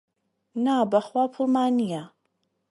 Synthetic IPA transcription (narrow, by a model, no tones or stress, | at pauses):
naːbɐχwaːpʰʊlmaːnija